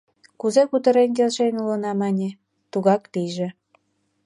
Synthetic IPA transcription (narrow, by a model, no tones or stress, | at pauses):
kuzekut̪ə̆ɾenk̬elʃenʲulənɑmɑnʲe | t̪uɣɑkt̪iʒĕ